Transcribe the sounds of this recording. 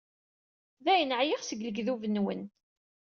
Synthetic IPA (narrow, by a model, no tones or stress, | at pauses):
ðæjənəʕjiʁsəɡləɡðuvənwə̰n